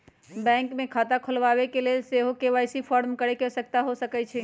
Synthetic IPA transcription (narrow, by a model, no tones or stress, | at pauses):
bɛ̃ŋkmekʰat̪akʰəlʋabekelelseɦokeʋajsipʰɔɾmkəɾekesək̚t̪aɦosəkɛt͡ʃʰɛ